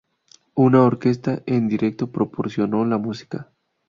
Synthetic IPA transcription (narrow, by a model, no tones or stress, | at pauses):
unaoɾke̞s̬t̪aʔend̪iɾe̞k̚t̪o̞pɾo̞poɾsjo̞no̞lamusi̥ka